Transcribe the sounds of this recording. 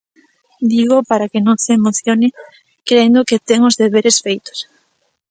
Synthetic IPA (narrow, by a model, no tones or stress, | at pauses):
d̪iɣ̞opaɾakɪnõŋseːmoθjonɪ | kɾend̪oket̪eŋʊzðeβ̞eɾesfejt̪ʊ̥s